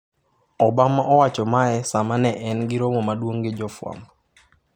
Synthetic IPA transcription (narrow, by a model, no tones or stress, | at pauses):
ɔbamaʔɔwat͡ʃɔmaɛsamanɛʔɛnɡɪɾomɔmadwoŋɡed͡ʒɔfwa̰m